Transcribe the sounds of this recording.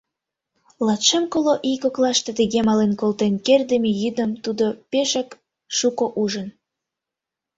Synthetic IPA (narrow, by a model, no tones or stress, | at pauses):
lɑt̪ʃemkoloʔikoklɑʃt̪et̪əɣemɑlenkolt̪enkerd̪əmejyd̪əmt̪ud̪opeʃək | ʃukoʔuʒən